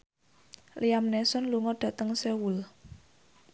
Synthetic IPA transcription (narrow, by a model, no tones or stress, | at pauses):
lʔiamnɛsɔnluŋɔɖ̥ä̤t̪əŋsewul